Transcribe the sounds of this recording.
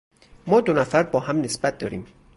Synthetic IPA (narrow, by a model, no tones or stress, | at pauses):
mɒːd̪onæfæɾbɒːɦæmnesb̥æt̪̚d̪ɒːɾḭːm